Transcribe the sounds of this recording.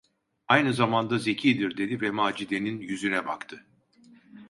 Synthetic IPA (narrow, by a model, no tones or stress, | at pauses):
ajnɯzamand̪aze̞cʰiːd̪iɾd̪e̞d̪ivɛmaːd͡ʒid̪e̞ninjyzynɛba̰kt̪ʰɯ